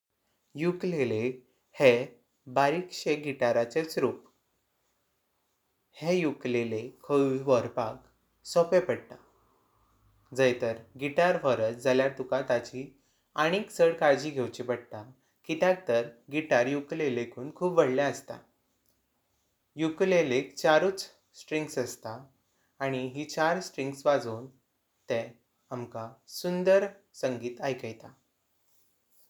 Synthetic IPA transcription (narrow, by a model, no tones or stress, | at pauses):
juklele | he | baɾikɕeɡiʈaɾat͡set͡sɾup | hẽjuklelekʰəiʋəɾpak | sɔpepəɽt̪a | d͡zəjt̪əɾɡiʈaɾfəɾət͡sd͡zʱaljat̪ukat̪at͡ɕi | aɽ̃ikt͡səɽkaɾd͡ʑiːɡʱewt͡ɕibəɽt̪a | kit̪jak̚t̪əɾɡiʈaɾjuklelekʰuːnkʰuːpʋəɽljaəst̪a̰ | juklelekt͡ɕaɾuːt͡s | sʈɾiŋɡsəst̪aː | ɽ̃iɦiːt͡ɕaɾsʈɾĩŋɡsʋad͡zuːn | t̪ɛ̃ | amkasund̪əɾsəŋɡiːt̪ajkəjt̪a